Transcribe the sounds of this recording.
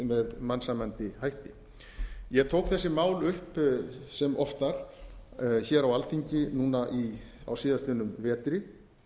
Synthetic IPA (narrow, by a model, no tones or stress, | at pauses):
mɛðmansamant̪ɪhajht̪ɪ | jɛt̪ʰoːwkθɛsːɪmaːwlʏhpsɛmɔft̪aɾ̥ | çɛːɾawalθiɲcɪnuːnaʔia̰wsiːðast̪ɪnʏmvɛːt̪ɾɪ